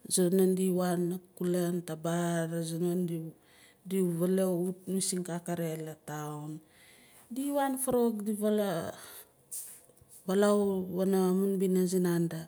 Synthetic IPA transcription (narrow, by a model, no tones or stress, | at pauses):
zonandiwanːakulantabaɾazonandi | diβaleutnusiŋkakaɾelatawn | diwanfaɾokdiβala | βalawβanaamanbinazinanda